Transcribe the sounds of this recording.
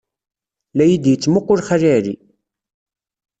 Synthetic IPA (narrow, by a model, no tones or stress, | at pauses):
læjid̪jət͡sːmʊqːʊɾχæriʕɾḭ